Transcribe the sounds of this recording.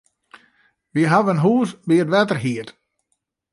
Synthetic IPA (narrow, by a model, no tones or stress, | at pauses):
ʋiəɦaʋənɦuːsbiətʋɛtərɦiət